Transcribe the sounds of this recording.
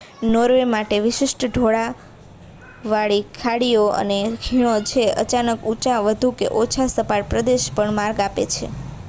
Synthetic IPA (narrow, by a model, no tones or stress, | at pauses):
noɾʋemaʈeʋɪʃɪʃʈɖʱoɽa | ʋaɭikʰaɽijoə̰neɡʱiɽ̃ot͡ʃʰeə̰t͡ʃanəkut͡ʃaʋəd̪ʱukḛʔot͡ʃʰasəpaɾpɾəd̪eʃpəɳmaɾɡapḛt͡ʃʰḛ